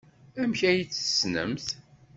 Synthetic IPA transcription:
æmçæjit͡sːə̥snə̰mθ

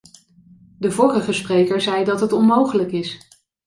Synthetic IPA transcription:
dəvɔːrəχəsprejkəɹzɛjdɑtɦətɔnmowχələkɪs

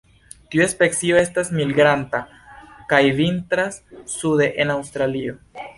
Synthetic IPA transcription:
t̪iue̞speksio̞e̞stasmilɡɾanta | kajvint̪ɾasːude̞ʔenawst̪ɾalio̞

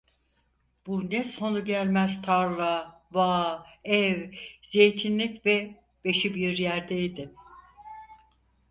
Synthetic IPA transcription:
b̥unɛso̞nuɟælʲmæzt̪ʰaɾlˠavaːɛvz̥e̞jt̪ʰinlʲicvɛ | b̥e̞ʃibiɾjæɾd̪ɛid̪ɪ

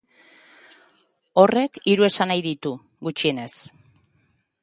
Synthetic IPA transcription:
o̞re̞kiɾue̞sanajðit̪u | ɡut͡ʃie̞ne̞s

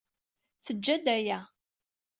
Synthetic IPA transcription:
θəd͡ʒːæd̪æjæ

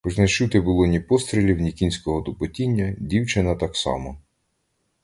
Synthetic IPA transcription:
pʊznɐt͡ʃuwt̪ɪbʊlˠɔnʲipɔst̪ɾʲelʲiwnʲikʲinʲsʲkɔɦɔd̪ɔpɔtʲinʲːɐdʲiwt͡ʃɪnɐt̪ɑksɑ̰mɔ

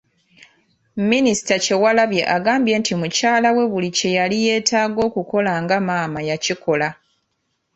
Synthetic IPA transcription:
minisi̥tace̞walaβje̞ʔaɡaːmbje̞ːntimucaːlawe̞βulice̞jalije̞ːtʰaːɡo̞ːkuko̞laŋɡamaːmajaciko̞la

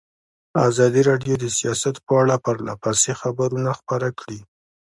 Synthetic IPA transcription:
a̰zɑd̪iɾɑɖjod̪əsijɑsat̪pəaɽapəɾla̰pasexabaɾunaxpaɾakɽi

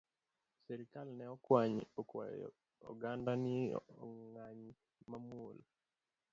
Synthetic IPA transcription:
sɛɾikalnɛɔkwaɲɔkwa̰ | ɔ̰ɡandani | ŋaɲ | mamul

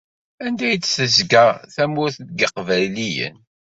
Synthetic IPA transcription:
ænd̪æjət͡sːsəzɡæθæmʊɾθt̪̚ɡəqvælijə̰n

